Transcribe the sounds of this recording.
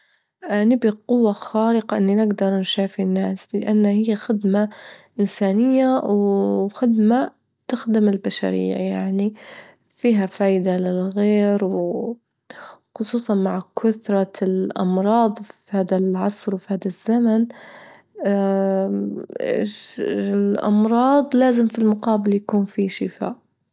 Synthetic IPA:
ʔanɪbiqʊwːaxaːɾɪqɑʔɪnːinɪɡd̪ɑɾˤnʃaːfinːaːslɪʔanːahɪjːaxɪd̪maʔɪnsaːnɪjːawxɪd̪ma | t̪ɪxd̪ɪmɪlbaʃa̰ɾɪ̰jːa̰jaʕni | fiːɦafaːjd̪alɪlɣeːɾw | xʊsˤuːsˤɑnmaʕkʰʊt̪ɾˤɑlʔɑ̰mɾˤɑːd̪ˤfihaːd̪alʕɑsˤɾwfihaːd̪azːaman | lʔɑ̰mɾˤɑːd̪ˤlaːzɪmfilmʊqɑːbɪljakuːnfiʃɪfa̰ːʔ

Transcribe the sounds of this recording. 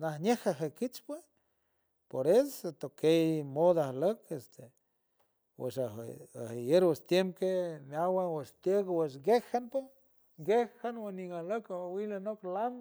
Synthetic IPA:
nahnehaɦekit͡ʃpwe | poɾeset̪okejmod̪ahləkest̪e | wḛʃa̰a̰hejeɾwest̪jempkemawaweʃt̪jekweʃɡehanpo | ɡehanweniŋahləkaawilanoklam

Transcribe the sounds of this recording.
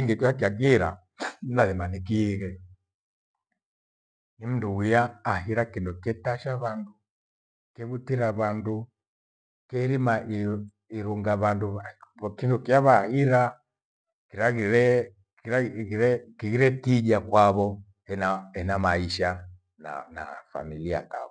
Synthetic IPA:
iŋɡɛkwak̬iaɡiɾa̰ | laðimanikiɣɛ | nim̩nduwijaːɦiɾakindukɛtaʃaβandu | kɛβutiɾaβandu | kɛɾimaʔi | iɾuŋɡaβanduβkindukijaβahiɾa | kiɾaɣiɾɛ | kiɾaiɾɛkiɣiɾɛkiʄakwaβɔ | ɛnaɛnamaiʃa | na̰na̰fa̰milia̰ka̰βɔ

